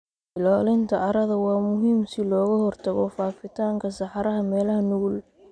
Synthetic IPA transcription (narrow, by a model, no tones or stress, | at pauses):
bɪlɔːlɪnt̪ʰɐʔɑɾɐðɐwɑːmʊɦiːmsɪlɔːɣɐhɔrt̪ʰɐɣɔfaːfɪt̪ʰaːŋkʰɐsɑħɑɾɐɦɐmɛːlɐhɐnʊɣʊl